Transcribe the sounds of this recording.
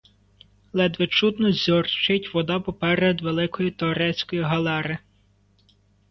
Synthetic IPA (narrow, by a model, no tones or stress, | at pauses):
lˠɛd̪ʋɪt͡ʃud̪t̪nɔzʲɔrt͡ʃɪtʲʋɔd̪ɑpɔpɛɾed̪ʋelˠɪkɔjit̪ɔɾɛt͡sʲkɔjiɦɐlˠɛɾɪ